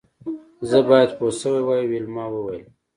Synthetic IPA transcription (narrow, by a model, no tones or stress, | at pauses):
zəbɑjad̪posəwewɑjwelmɑwəwajəm